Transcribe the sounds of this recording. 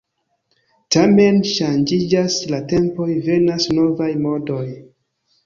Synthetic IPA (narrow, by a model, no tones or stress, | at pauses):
tame̞nʃand͡ʒid͡ʒaslate̞mpo̞jve̞nasno̞vajmo̞do̞j